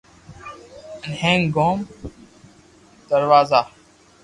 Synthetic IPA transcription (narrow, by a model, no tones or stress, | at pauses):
nɦẽːŋɡoːm | d̪̥əɾʋaːzaː